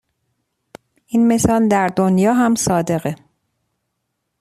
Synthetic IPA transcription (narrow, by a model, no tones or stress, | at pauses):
ʔinme̞sɒːld̪æɾd̪onjɒːɦæmsɒːd̪e̞ɣe